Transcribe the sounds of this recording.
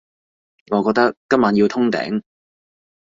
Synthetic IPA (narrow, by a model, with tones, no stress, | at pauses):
ŋɔː˨˧kɔ˧k̚t̪ɐ˥kːɐ˥maː˨˧˥nji˧t̪ʰʊ˥ŋt̪ɛ̰ː˨˥ŋ